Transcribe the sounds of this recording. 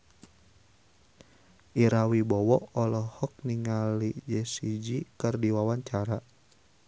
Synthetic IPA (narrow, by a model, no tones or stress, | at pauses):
ʔiɾawibɔwɔʔɔlɔhɔk̚niŋalid͡ʒɛsid͡ʒikɨrdiwawaɲt͡ʃaɾa